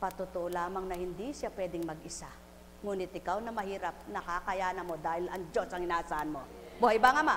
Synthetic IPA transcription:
pɐt̪ʊt̪oʔolaːmɐŋnɐhɪnd̪isjapwɛːd̪ɪŋmɐɡɪsa | ŋuːnɪt̪̚ɪkawnɐmɐhiːɾɐp̚nɐkakɐjaːnɐmo̞d̪aːhɪlɐŋd͡ʒosɐŋɪnaːʔɐsaːʔɐnmo̞ | buhajbaŋɐma

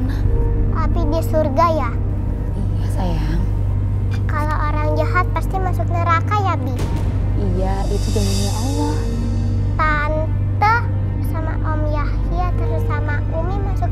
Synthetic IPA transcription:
aʔapidisurɡaja | ijasajaŋ | kalaʔoɾaŋd͡ʒaɦat̪̚past̪imasʊk̚nəɾakajabi | ija | it̪ud͡ʒaŋaɲaʔawa | t̪a | n | t̪ə | əsama̰ʔɔmjah | iat̪əɾusama | umimasʊk̚

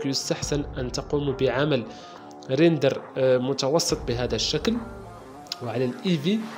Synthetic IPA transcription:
kjʊst̪aħsənʔənt̪ɑqumubəʕaməl | ɾind̪əɾmʊt̪ɑwɑsˤːət̪ˤbəɦæd̪æʃːækl | wʕalælʔivi

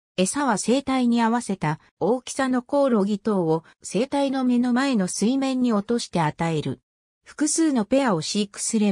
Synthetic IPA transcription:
e̞saβase̞ːt̪aiɲ̟iaβase̞t̪a | oːkʲi̥sano̞ko̞ːɾo̞ɡʲit̪o̞ːo | se̞ːt̪aino̞me̞no̞mae̞no̞sɨimẽ̞ɲ̟ːio̞t̪o̞ɕi̥t̪e̞at̪ae̞ɾɯ̟̰ | ɸɯ̟̥kɯ̟sɨːno̞pe̞ao̞ɕiːkɯ̟̥sɨɾe̞

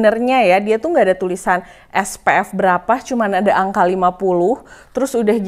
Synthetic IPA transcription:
nərɲajadiat̪uŋɡaːdat̪ulisan | ʔɛspeɛfbəɾapat͡ʃumanadaʔaŋkalimapulʊht̪əɾʊsudahɡ

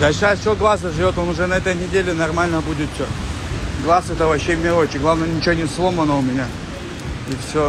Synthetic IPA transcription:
d̪ɐlʲʂajfsʲoɡlˠasəʐɨvʲo̞t̪onʊʐɛnɐɛt̪əjnʲɪdʲelʲɪnɐrmalʲnəbudʲɪt̪fsʲo | ɡlˠasɛt̪əvɐɕːemʲɪlˠot͡ɕɪɡlˠavnəjnʲɪt͡ɕɪonʲɪslˠo̞mənəʊmʲɪnʲa | ifsʲo

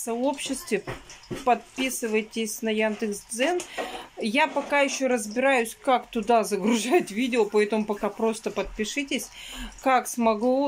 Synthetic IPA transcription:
sɐo̞pɕːɪst̪vʲɪpɐt̪̚pʲisɨvəjtʲɪsʲnɐjand̪ɨksd̪zɛnjapɐkajɪɕːoɾəzbʲɪɾajʉsʲkakt̪ʊd̪azəɡɾʊʐajt̪ʲvʲidʲɪəpɐɛt̪əmʊpɐkapɾo̞st̪əpət̪̚pʲɪʂɨtʲɪsʲ | kaksmɐɡlˠo

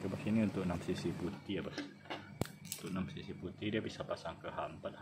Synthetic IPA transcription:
kəbasiniunt̪ʊʔ̚namsisiput̪iabas | unt̪ʊʔ̚namsisiput̪idiabisapasaŋkəhampat̪̚h

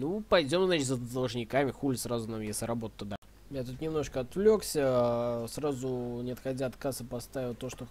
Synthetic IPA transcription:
nupɐjdʲo̞mznat͡ʃʲt̪ʲzəd̪əlˠʐnʲɪkamʲɪxulʲsɾazʊnamjesʲlʲɪɾɐbo̞t̪ət̪ːʊd̪a | mjat̪ut̪nʲɪmno̞ʂkəɐt̪vlʲo̞ksʲəsrazʊnʲɪɐt̪xɐdʲaɐt̪kasɨpɐst̪avʲɪlˠt̪ːoʂt̪o

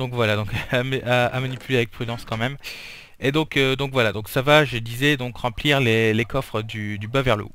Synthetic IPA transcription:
d̪ɔ̃kvwalad̪ɔ̃kamaamanipyleavɛk̚pχyd̪ɑ̃skɑ̃mɛm | ed̪ɔ̃kød̪ɔ̃kvwalad̪ɔ̃ksavaʒəd̪izɛd̪ɔ̃kʁɑ̃pliʁlelekɔfχəd̪yd̪ybavɛʁlo̰

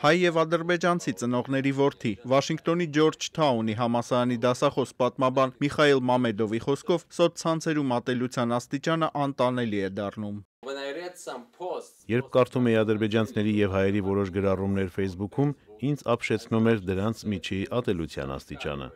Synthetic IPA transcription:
hɑjːɛvɑd̪əɾbɛd͡ʒɑnt͡sʰit͡sənɔʁnɛɾivɔɾt̪ʰivɑʃiŋkʰt̪ɔnid͡ʒɔɾd͡ʒt̪ʰɑuniɦɑmɑsɑɾɑnid̪ɑsɑχɔspɑt̪mɑbɑnmiχɑilmɑmɛd̪ɔviχɔskʰɔvsɔt̪̚t͡sʰɑnt͡sʰɛɾumɑt̪ɛlut͡sʰjɑnɑst̪it͡ʃɑnəʔɑnt̪ɑnɛliɛd̪ɑrnum | pʰ | jɛɾp̚ʰkɑɾt̪ʰumɛjiɑd̪əɾbɛd͡ʒɑnt͡sʰinɛɾijɛvhɑjɛɾivɔɾɔʃɡəɾɑrumnɛɾfɛjsbukʰumind͡zɑpʰʃɛt͡sʰnumɛɾd̪əɾɑnt͡sʰmit͡ʃʰiʔɑt̪ɛlut͡sʰjɑ̰nɑ̰st̪it͡ʃɑ̰nə̰

